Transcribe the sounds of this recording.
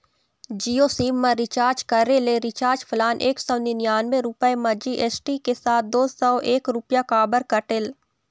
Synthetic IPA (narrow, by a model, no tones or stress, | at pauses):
d͡ʒiːosiːmːɐ̃ɾɪt͡ʃaːɾd͡ʒkɐɾeleɾɪt͡ʃaːɾd͡ʒpʰʊlaːnʔeːksɔʊninjaːnmẽɾʊpəemɐd͡ʒiʔesʈikesaːt̪̚ʰd̪oːsɔʔeːkɾʊpjakaːbəɾkəʈɪl